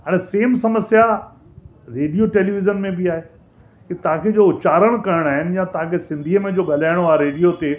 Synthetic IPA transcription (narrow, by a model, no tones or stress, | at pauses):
ɦaːɽ̃eseːmsɐməsja | ɾeːɖijoʈeːliːʋɪzənmẽbiaːɦe | kit̪ɐʋ̤ãkʰed͡ʑoːʊt͡ɕaːɾəɽ̃kɐɾəɽ̃aːɦɪnɪ̆jãt̪ɐɦãkʰesɪ̃nd̪ʱiːəmẽd͡ʑoːɠɐlaːɪɽ̃oaːɦeɾeːɖijot̪e